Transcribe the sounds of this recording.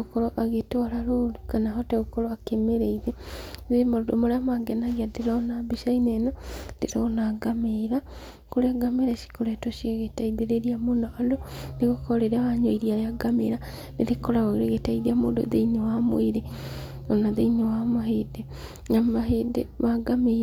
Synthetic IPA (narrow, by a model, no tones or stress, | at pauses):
okɔɾoʔaɣetoaɾaɾoɾukanaɦɔtɛɣokoɾoakemeɾeiðɛðemoɾodomoɾeamaŋɡɛnaɣeadeɾɔnabeʃainɛnɔndeɾɔnaɡameɾa | koɾeaɡameɾaʃi̥koɾɛtoʃieɣetaiðeɾeɾiamonaʔadoneɣokɔɾeɾeawaɲoiɾiaɾjaɡamḛɾa | neɾekoɾaɣoɾeɣetaiðiamoːndo̰ðeiɲowamw̰eɾe | onaðeiɲowamaɦede | namaɦedḛmaɡame